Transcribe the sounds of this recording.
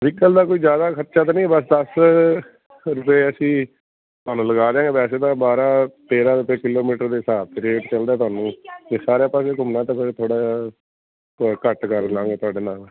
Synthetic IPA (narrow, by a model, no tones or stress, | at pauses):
ʋɪkːəld̪aːkoːiːzjaːd̪aːkʰət̪ːʃaːt̪̬aːnĩːbəs̬d̪əs | ɾʊpeːəsĩː | t̪ʊaːnũːləɡaːd̪ejãːŋɡeːpɛːseːd̪ãːbaːɾãːt̪eːɾãːɾʊpeːkɪloːmiːʈəɾd̪eːsaːb̚t̪eɾeːʈt͡ʃəld̪aːt̪̬ʊaːnũːd͡ʒeːsaːɾeːpaːseːkʊmnãːt̪ãːpʰɪɾt̪ʰoːɽaː | kəʈkəɾlãːŋɡeːt̪ʊaːɖeːnaːl